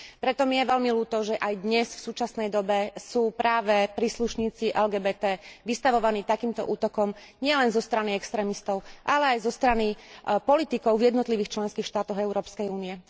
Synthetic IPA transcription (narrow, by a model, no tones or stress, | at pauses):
pɾɛt̪ɔmijɛʋɛlmiluːt̪ɔʒɛʔajd̪ɲɛsfsuːt͡ʃasnɛjd̪ɔbɛsuːpɾaːʋɛpɾiːsluʃɲiːt͡siʔɛlɡɛːbɛːt̪ɛːʋist̪aʋɔʋaniːt̪akiːmt̪ɔ̰ʔuːt̪ɔkɔm | ɲɪɛlɛnzɔst̪ɾaniɛkst̪ɾɛːmist̪ɔʊʔalɛajzɔst̪ɾanipɔlit̪ikɔʊvjɛd̪nɔt̪liʋiːxt͡ʃlɛnskiːxʃt̪aːt̪ɔɣɛʊɾɔːpskɛjuːniɛ